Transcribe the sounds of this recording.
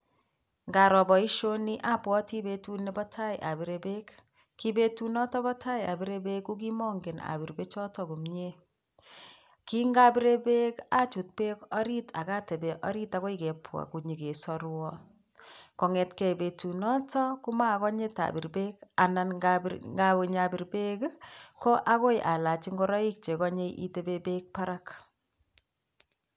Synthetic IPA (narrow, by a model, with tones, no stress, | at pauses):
ŋɡa˨ɾɔ˨bɔ˨i˦ʃo˦ni˦ʔa˦pwɔ˦ti˦be˨tu˦ne˦bɔ˦tʰa˦jɪʔa˨bi˨ɾe˨be˦k | ki˦be˦tu˦nɔ˦tɔ˦bɔ˦tʰa˦ja̰˨bi˦ɾe˦be˦kːu˦ki˦mɔ˦ŋɡe˨na̰˨bi˨ɾbe˦t͡ʃɔ˦tɔ˦˨ko˨mɲe˦ | ki˦ŋɡa˦bi˦ɾe˦be˦ka˦t͡ʃu˨t̚pe˦kɔ˦ɾi˦tʰa˨ka˦te˨be˨ʔɔ˦ɾi˦ta˨kɔ˦ike˨pʰwa̰˨ku˨ɲi˨ke˨sɔ˦ɾwɔ˦ | kɔ˨ŋɛ˨tkɛ˨be˨tu˨nɔ˦tɔ˦ku˦ma˦˨kɔ˦ɲe˦ta̰˨bi˨ɾbe˦ka˨na˨nɡaŋɡa˦˨ɲa˨bi˨ɾbe˦kkɔ˦ʔa˦ko˦jʔa˨la˨t͡ʃi˦ŋɡɔ˦ɾɔ˦i˦k̚t͡ʃe˨kɔ˦ɲe˦ʔḭ˦te˦be˦be˦k̚pa˦ɾa˦k